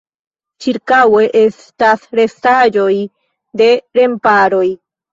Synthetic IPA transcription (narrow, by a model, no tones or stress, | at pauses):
t͡ʃiɾkawe̞ʔe̞s | tasɾe̞stad͡ʒo̞j | de̞ɾe̞mpaɾo̞j